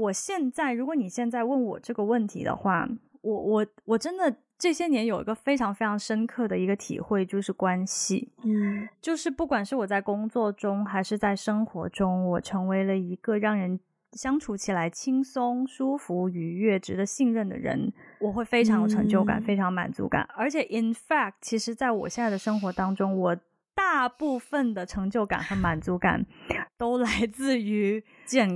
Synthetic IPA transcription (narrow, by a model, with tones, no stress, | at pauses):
wɔ˨˩ɕjɛ˥˧nt͡sa˥˩ɪɻu˧˥kwɔ˧˥ni˨˩ɕjɛ˥˧nt͡sa˥˧ɪwə˥˩nwɔ˨˩ʈ͡ʂɤ˥˩ɡə˩wə˥˩nt̪ʰḭ˧˥d̪ə̰˧xwa̰˥˩ | wɔ˧˩wɔ˨˩wɔ˨˩ʈ͡ʂə˥nd̪ə˨ | ʈ͡ʂɤ˥˩ɕjɛ˥njɛ˧˥njo˨˩ʊḭ˧˥ɡə˧fe˥ɪʈ͡ʂʰɑ˧˥ŋfe˥ɪʈ͡ʂʰɑ˧˥ŋʂə˥nkʰɤ˥˩d̪ə˩i˧˥ɡə˧t̪ʰḭ˨˩xwe˥˧ɪt͡ɕjo˥˧ʊʂɻ̩˥˩kwa˥nɕḭ˨˩ | t͡ɕjo˥˧ʊʂɻ̩˥˧pu˥˩kwa˨˩nʂɻ̩˥˩wɔ˨˩t͡sa˥˩ɪkʊ˥ŋt͡swɔ˥˩ʈ͡ʂʊ˥ŋxa˧˥ɪʂɻ̩˥˧t͡sa˥˩ɪʂɤ˥ŋxwɔ̰˧˥ʈ͡ʂʊ˥ŋwɔ˨˩ʈ͡ʂʰɤ˧˥ŋwe˧˥ɪlə˧i˧˥ɡ̥ə˧ɻɑ˥˩ŋɻə˧˥n | ɕjɑ˥ŋʈ͡ʂʰu˧˥t͡ɕʰi˨˩la˧˥ɪt͡ɕʰi˥ŋsʊ˥ŋʂu˥fu˧˥y˨˩ɥɛ˥˩ʈ͡ʂɻ̩˧˥d̪ə˧ɕi˥˧ŋɻə˥˩nd̪ə̰˩ɻə̰˧˥nwɔ˨˩xwe˥˩ɪfe˥ɪʈ͡ʂʰɑ˧˥ŋjo˧˩ʈ͡ʂʰɤ˧˥ŋt͡ɕjo˥˩ʊka̰˨˩nfe˥ɪʈ͡ʂʰɑ˧˥ŋma̰˨˩nt͡sṵ˧˥ka̰˨˩˦nə˞˧˥t͡ɕʰjɛ˨˩ʔi˨˩nfa˥˧k̚tt͡ɕʰi˧˥ʂɻ̩˧˥t͡sa˥˩ɪwɔ̰˨˩ɕjɛ˥˧nt͡sa˥˩ɪd̪ə˩ʂɤ˥ŋxwɔ˧˥t̪ɑ˥ŋʈ͡ʂʊ˥ŋwɔ˨˩ | t̪a˥˧pu˥˩fə˨˩nd̪ə˩ʈ͡ʂʰɤ˧˥ŋt͡ɕjo˥˩ʊka̰˨˩nxə˧˥ma˨˩nt͡su˧˥ka̰˨˩nt̪o˥ʊla˧˥ɪt͡sɹ̩˥˩y˧˥ | t͡ɕjɛ˥˩n